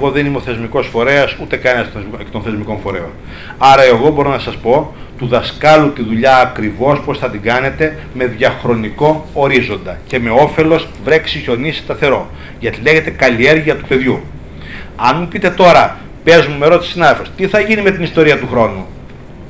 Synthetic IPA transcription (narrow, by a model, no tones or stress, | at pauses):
eɣo̞ðeniimo̞θe̞zmiko̞sfo̞ɾe̞ɐsut̪e̞kɐnest̪onθe̞zmiko̞ɱfo̞ɾe̞̰on | ɐɾɐe̞ɣo̞bo̞ɾonɐsɐspo̞ | t̪uðɐskɐlut̪iðuʎɐːkɾivo̞spo̞sθɐt̪iɡɐne̞t̪e̞ | me̞ðʝɐxɾo̞niko̞oɾizo̞nd̪ɐce̞me̞o̞fe̞lo̞s | vɾe̞ksiço̞nisi̥st̪ɐθe̞ɾo̞ | ʝɐt̪ile̞çe̞t̪e̞kɐlie̞ɾʝiɐt̪u̥pe̞ðʝu | ɐnmupit̪e̞t̪o̞ɾɐ | pe̞zmumeɾo̞t̪isinɐðelfo̞st̪iθɐʝinime̞t̪inist̪o̞ɾiɐt̪uxɾo̞nu